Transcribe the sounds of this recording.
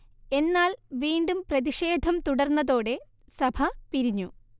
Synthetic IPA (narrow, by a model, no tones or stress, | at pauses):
e̞nːaːlʋiːɳɖumprɐðiʂe̞ːd̪ʱɐmt̪uɽɐrnːɐðo̞ːɽe̞ | sɐbʱɐpiɾiɲːu